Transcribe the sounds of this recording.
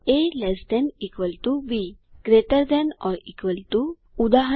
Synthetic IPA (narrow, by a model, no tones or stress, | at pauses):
elɛsd̪ɛnikʋəlʈubiɡ̥ɾeʈəɾd̪ɛ̃nɔɾikʋəlʈu | ud̪aɦə